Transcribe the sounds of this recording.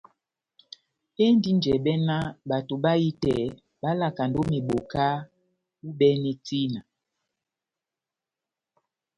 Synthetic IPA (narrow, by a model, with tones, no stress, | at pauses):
e˦ndi˦nd͡ʒɛ˨ɓɛ˦na˦ɓa˨to˨ɓa˦ji˦tɛ˨ | ba˦la˨ka˨ndo˦mi˨ɓo˨ka˦ | u˦ɓɛ˦ni˨ti˦na˨